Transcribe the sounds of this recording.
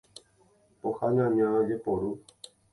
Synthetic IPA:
ohaɲãɲãd͡ʒepoɾu

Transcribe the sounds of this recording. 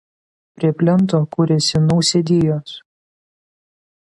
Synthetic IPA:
pʲɾʲiɛpʲlʲɪnˑt̪oːkuːɾʲɛsʲɪnɔʊsʲɛd̪ʲiːjoːs

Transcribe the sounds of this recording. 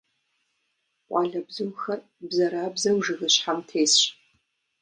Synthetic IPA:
ʔʷʼɑːɮɐbzɨwxɐr | bzɐɾaːbzɐwʒɨɣɨɕħamtʰeːjsɕ

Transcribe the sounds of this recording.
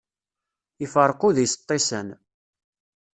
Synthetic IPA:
ifəɾˤqʊðjst̪ˤːesən

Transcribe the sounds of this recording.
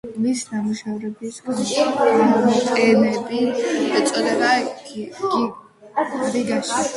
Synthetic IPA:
misnamuʃavɾɛbisɡaʃi | t̪ʼɛmɛbi̥ɛt̪sʼɔd̪ɛba | ɾiɡaʃi

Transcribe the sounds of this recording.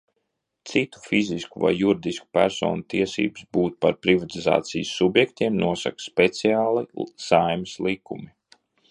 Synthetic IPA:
t̪sit̪u̥fiziskuva̰jːuɾid̪isku̥pʲæɾsɔ̰ːnut̪iɛsḭːbɨ̥sbuːt̪paɾpɾivat̪iza̰ːt̪sijsːubjɛkt̪iɛmnuɔsa̰kspet̪siaːlˠisajmslˠikʰumi

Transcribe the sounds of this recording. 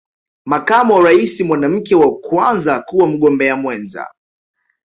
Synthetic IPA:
makamuwaɾaisimwanam̩kɛwakwanzakuwam̩ɠɔmbɛamwɛnza̰

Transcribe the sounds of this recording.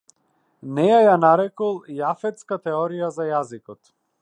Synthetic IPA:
nɛjajanaɾɛkɔlˠjafɛt̪skat̪ɛɔɾijazajazikɔt̪

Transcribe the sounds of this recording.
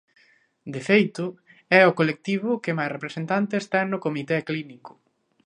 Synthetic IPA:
d̪efejt̪ʊ | ɛʊkolek̚t̪iβ̞ʊkɪmajsrepɾesent̪ant̪eːst̪ɛnʊkomit̪ɛklinikʊ̥

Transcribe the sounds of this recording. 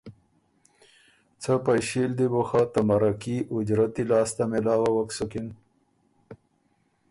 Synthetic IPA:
t͡sʰəpajɕild̪iboxat̪amaɾakiʔʊd͡ʑɾat̪ilɑːst̪amelɑːwawaksukin

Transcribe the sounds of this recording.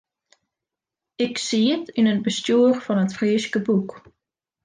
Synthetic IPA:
ɪksiətʰynət̚bəstjuərfɔnətfriːskəbuk

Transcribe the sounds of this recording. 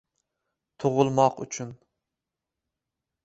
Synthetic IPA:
t̪ʰoʁʊlˠmɑqy̰t͡ʃʰyn

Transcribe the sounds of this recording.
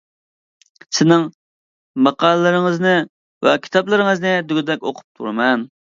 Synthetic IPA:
sɪnɪŋ | mɑqɑːlˠlɨɾɪŋəznɨ | vɛ̰kʲʰi̥t̪ʰɑplˠɨɾɪŋɨznɨd̪yɡʲd̪ɛkʲo̰qʰʊ̥p̚t̪ʰṵɾɨmɛn

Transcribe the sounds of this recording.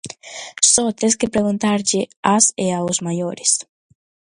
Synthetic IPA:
sɔt̪es̬kepɾeɣũnt̪aɾʎɪaseauzmajoɾis

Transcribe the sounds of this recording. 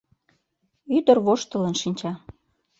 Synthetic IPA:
yd̪ə̆rβoʃt̪ə̆lə̆nʃinʲt͡ɕɑ

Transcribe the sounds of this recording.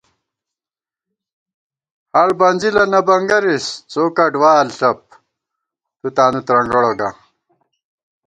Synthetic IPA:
hɐɭbɐnʲd͡ʑilɐnɐbɐŋɡɐɾist͡soːkɐɖwaːlɕɐp̚ | t̪ut̪aːnut̪ɾɐŋɡoɽoɡɐ

